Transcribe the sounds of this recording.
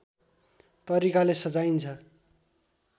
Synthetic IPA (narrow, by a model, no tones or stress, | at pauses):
t̪ʌɾikalesʌd͡zajnt͡sʰʌ